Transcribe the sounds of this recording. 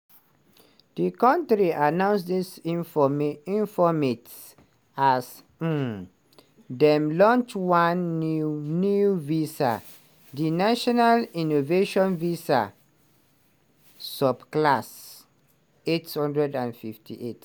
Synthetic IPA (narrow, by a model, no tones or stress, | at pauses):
d̥ikɔ̃ntɹiʔanãʊ̃nsdisifɔmĩnfɔmet | as̩ | dɛ̃mlɔ̃nt͡ʃwãn | nuvisa̰ | dinaʃɔnalinoveʃɔ̃nvisa̰ | sɔbklas | ethɔ̃ndɹɛdãnfiftʰḭʔet